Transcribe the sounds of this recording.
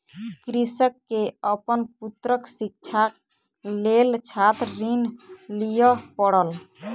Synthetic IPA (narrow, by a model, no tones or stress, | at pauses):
kɾisəkːeəpənput̪ɾəksik̚t͡ʃʰa | lelt͡ʃʰat̪ɾinlijəpəɽəl